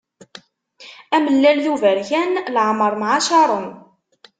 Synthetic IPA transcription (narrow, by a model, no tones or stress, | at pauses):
æməlːælθuvæɾçænlʕməɾˤmʕaʃɑɾˤən